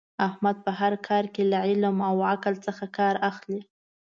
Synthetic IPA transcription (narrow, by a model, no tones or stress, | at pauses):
ahmad̪̚pəɦaɾkʰɑɾkelaʕɪlmawaklt͡səxakɑɾaxli